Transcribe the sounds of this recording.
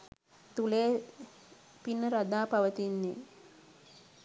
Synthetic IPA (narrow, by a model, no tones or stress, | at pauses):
t̪uleː | pinːəɾad̪aːpaʋət̪inːe